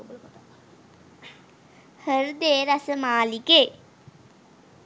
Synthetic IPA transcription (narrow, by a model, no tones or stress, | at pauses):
həɾd̪eːɾɐsəmaːlike